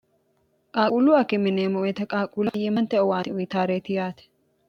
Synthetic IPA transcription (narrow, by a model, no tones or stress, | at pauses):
kʼaːkʼuluɐkːɛmɪneːmɔɛt̪ɐkʼaːkʼuːlɐjemɐnt̪ɛʔɔwaːt̪ɪʔɔjɪt̪aːɾeːt̪ɪjaːt̪ɛ̥